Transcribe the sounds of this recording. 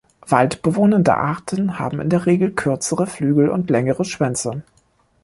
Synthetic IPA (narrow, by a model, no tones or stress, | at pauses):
v̥altb̥əvoːnəndə̰ʔaɐtʰənha̰ːbm̩ɪ̰ndeːɐʁeːɡl̩kʰʏɐt͡səʁəflyːɡl̩ʊ̰ntlɛŋəʁəʃv̥ɛnt͡sə